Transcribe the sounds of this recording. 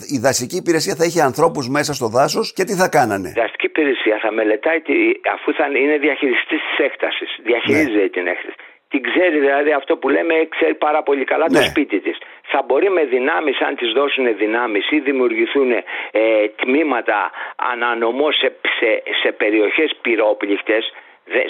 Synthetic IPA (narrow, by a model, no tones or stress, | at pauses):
iðɐsiciːpiɾe̞siɐθɐiçeɐnθɾo̞puzme̞sɐst̪o̞ðɐso̞sce̞t̪iθɐkɐnɐne̞̰ðɐst̪i̥ciːpiɾesiɐθɐme̞le̞t̪ɐit̪iɐ̰fuθɐine̞ðiɐçiɾist̪ist̪i̥se̞kt̪ɐsisðiɐçiɾizeit̪ine̞kt̪ɐsi | t̪iɡze̞ɾiðilɐðiɐft̪o̞pule̞mekse̞ɾipɐɾɐpo̞ʎikɐlɐnt̪ospit̪it̪is | θɐbo̞ɾime̞ðinɐmisɐ̰nt̪izðo̞sune̞ðinɐmisiðimiuɾʝiθune | t̪mimɐt̪ɐ̰ɐ̰nɐno̞mo̞sesese̞pe̞ɾio̞çe̞spiɾo̞plixt̪e̞s | ðe